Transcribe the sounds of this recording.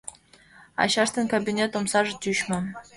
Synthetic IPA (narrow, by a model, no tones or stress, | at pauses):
ɑ̰ɕɑʂt̪ɤ̆nkobʲinʲet̪omsɑʐə̆t̪ʲyɕmɘ̆